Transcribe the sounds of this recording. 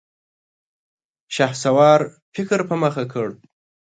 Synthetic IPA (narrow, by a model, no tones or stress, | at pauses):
ʃahsawɑːɾfɪkɾpəməxakʰəɽ